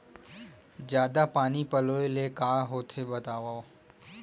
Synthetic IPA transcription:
d͡ʒjaːd̪apaːnipəloːelekaːɦoːt̪ʰebət̪aːʋaːo

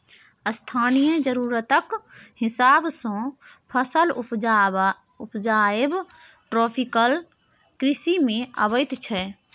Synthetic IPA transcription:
əst̪ʰanijəd͡ʒəɾuɾət̪əkhɪsabsɔ̃pʰəsəlu | upd͡ʒaeb | ʈɾopʰikəl | kɾisimẽə̰bəɪt̪t͡ʃʰɛ

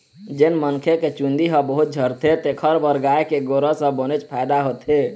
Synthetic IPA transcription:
d͡ʒenmənkʰeket͡ʃund̪iɦəbəɦut̪̚d͡ʒʱəɾt̪ʰet̪ekʰəɾbəɾɡaekeɡoɾəsə̃bənet͡ʃpʰajd̪aɦot̪e

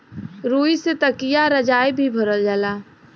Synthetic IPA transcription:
ɾuːiset̪əkijaɾəd͡ʒaːjbʱibʱəɾəld͡ʒaːlaː

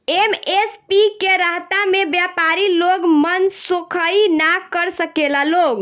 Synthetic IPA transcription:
emespikeɾaɦt̪amebjapaɾiloɡmənsokʰəinakəɾsəkelaloɡ

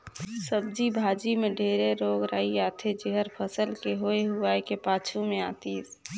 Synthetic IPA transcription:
səb̚d͡ʒibʱaːd͡ʒimẽɖʱeːɾeɾoːɡɾaːiaːt̪ʰed͡ʒeɦəɾpʰəsəlkeɦoeɦuaːekepaːt͡ʃʰumẽa̰ːt̪iːs

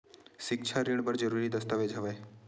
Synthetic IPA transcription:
ʃɪk̚t͡ʃʰaɾiɳbəɾd͡ʒəɾuːɾid̪əst̪aʋed͡ʒʱəʋaj

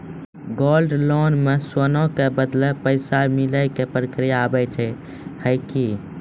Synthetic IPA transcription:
ɡolɖlonmeswənõkebəd̪lepəɪsamiləkepɾəkɾijaːbɛt͡ʃʰɛ | həɪki

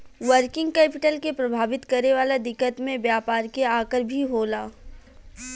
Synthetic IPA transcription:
ʋəɾkɪ̃ŋɡ̚kɛːpɪʈəlkepɾɐbʱaːʋɪt̪kɐɾneʋaːlad̪ɪkːət̪mẽbjaːpaːɾkeaːkəɾbʱiɦoːlaː

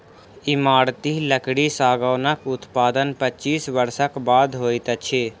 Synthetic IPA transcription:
ɪmaːɽt̪iləkɽisaːɡəːnəkʊt̪paːd̪ənpət͡ʃiːsʋəɾsəkbaːd̪ɦoːɪt̪ət͡ʃʰeː

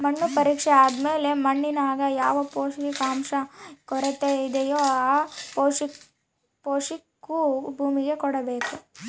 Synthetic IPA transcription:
mɐɳːupɐɾiːkʂeaːd̪meːle̞mɐɳːinaːɡɐjaːʋɐpoːʂiikaːmʃɐkɔɾet̪ːeid̪ejoːaːpoːʂi | poːʂikːubʱuːmiɡe̞kɔɽɐbeːku

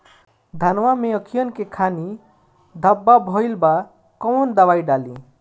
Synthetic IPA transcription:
d̪ʱənʋameəkʰijənkekʰani | d̪ʱəbːabʱɔjlba | kɔwnd̪əbajɖalḭ̃

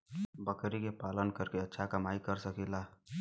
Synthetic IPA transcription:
bəkɾikepaːlənkəɾkeətːʃʰakəmaːikəɾsəkila

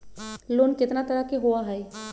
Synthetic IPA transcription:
loːnkɪt̪nat̪ɐɾakeɦʊaɦɛe

